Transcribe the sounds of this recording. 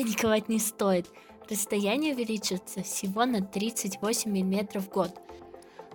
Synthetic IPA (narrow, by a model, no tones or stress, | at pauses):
nʲɪkɐvatʲnʲɪst̪o̞jɪt̪ | rəst̪ɐjænʲɪjəʊvʲɪlʲit͡ɕɪt̪səfsʲɪvo̞nɐt̪ɾʲit̪sɨtʲvo̞sʲɪmʲːɪlʲɪmʲe̞t̪ɾəfɡo̞t̪